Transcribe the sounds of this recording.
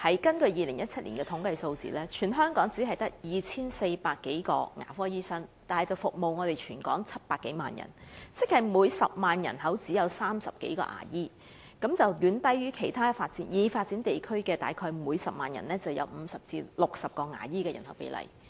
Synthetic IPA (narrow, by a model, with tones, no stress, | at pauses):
hɐ˨˥jkɐ˥nkɵ˧ɥjiː˨lɪ˨˩ŋjɐ˥t̚t͡sʰɐ˥t̚liː˨˩nkɛː˧t̪ʰʊ˨˥ŋkɐ˧jso˧wt͡sḭː˨lɛː˥t͡ʃʰyː˨˩nɦœː˥ŋkɔː˨˥ŋt͡si˨˥ɦɐ˨jt̪ɐ˥k̚jiː˨t͡sʰiː˥nse˧jpaː˧kːe˨˥jkɔ̰ː˧ŋa̰ː˨˩fɔː˥jiː˥sɐ˥nt̪aː˨nhjt͡sɐ˨˩wfʊ˨k̚mo˨wŋɔː˨˧t̪e˨jt͡ʃʰyː˨˩nkɔ̰ː˨˥ŋt͡sʰɐ˥t̚paː˧kːe˨˥jmaː˨njɐ̰˨˩nt͡sɪ˥k̚hɐ˨˩jmuː˨˧jsɐ̰˨p̚maː˨njɐ̰˨˩nɦɐ˨˥wt͡siː˨˥jɐ˨˧wsaː˥msɐ˨p̚ke˨˥jkɔ̰ː˧ʔa̰ː˨˩jiː˥ | kɐ˨˥mt͡sɐ˨wjyː˨˥nt̪ɐ˥jɥyː˥kʰe˨˩jt̪ʰaː˥faː˧t̚t͡siː˨˥njiː˨˧faː˧t̚t͡si˨˥nt̪e˨jkʰɵ˥ɥkɛː˧t̪a̰ː˨jkʰɔː˧jmuː˨˧jsɐ˨p̚maː˨˩njɐ̰˨˩nlɛː˥t͡sɐ˨wjɐ̰˨˧wm̩˨˧sɐ˨p̚t͡sḭː˧lʊ˨k̚sɐ˨p̚kɔː˧ŋa̰ː˨˩jiː˥kɛː˧jɐ̰˨˩nhɐ˨˥wpḛ˨˥jlɐ̰˨˩j